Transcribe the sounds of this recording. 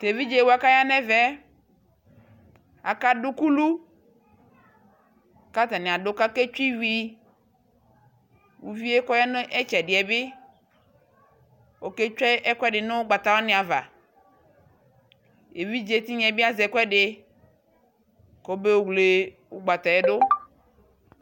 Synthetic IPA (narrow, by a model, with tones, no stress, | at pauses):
t̪e˨vi˦d͡ʒe˦˨wo˦a˨ka˦ja˦nɛ̃˦vɛ˦ | a̰˨ka˦ɖu˦ku˦lu˦ | ka˦t̪a˨nẽ˨a˨ɖo˨˦ka˦ke˦t͡ʃi˦wi˦ | wu˨vi˦e˦kɔ˦ja˦nẽ˦ʔɛ˦t͡ʃɛ˨ɖi˨ɛ˨be˦ | wo˨ke˦t͡ʃɛ˦ʔɛ˦kɔ˦ɛ˦ɖe˨ne˦wo˦ɡ͡ba˨t̪a˦wa˦nẽ˨a˨va̰˨ | e˨vi˦d͡ʒe˦t̪i˦ɲɛ̃˨bi˦a˦zɛ˨kɔ˦ɛ˦ɖe˨ | ko˦be˦wo˦ɡle˦ | wo˦ɡ͡ba˨t̪a˨e˨ɖo˦